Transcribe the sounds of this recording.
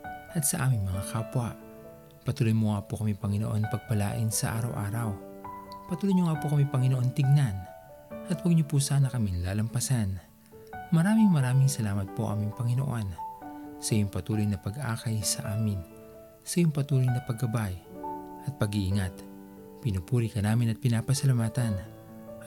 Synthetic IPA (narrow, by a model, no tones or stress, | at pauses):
ʔɐt̪̚sɐʔaːmɪŋmɐŋakaːpwaʔ | pɐt̪uːlojmoŋapokɐmipɐŋɪnoʔo̞npɐɡ̚pɐla̰ːʔɪnsɐʔa̰ːɾɐwʔa̰ːɾɐwpɐt̪uːlojɲoŋapokɐmipɐŋɪnoʔo̞nt̪ɪɡnan | ʔɐt̪wɐɡ̚ɲopusaːnɐkɐminlaːlɐmpɐsan | mɐɾaːmɪŋmɐɾaːmɪŋsɐlaːmɐt̪̚poʔɐ̰miŋpɐŋɪno̰ʔonsɐjʊŋpɐt̪uːlojnɐpɐɡʔa̰ːkɐjsɐ̰ʔaːmɪn | sɐjʊŋpɐt̪uːlojnɐpɐɡɐbajʔɐt̪̚pɐɡiʔɪŋat̪ | pɪnupuːɾikɐnaːmɪnɐt̪̚pɪnaːpɐsɐlɐmaːt̪ɐn